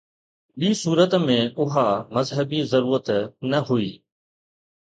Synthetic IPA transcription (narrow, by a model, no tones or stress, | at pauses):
ɓiːsuːɾət̪mẽːʊɦamɐzɦəbiːzəɾuːɾət̪nəɦʊiː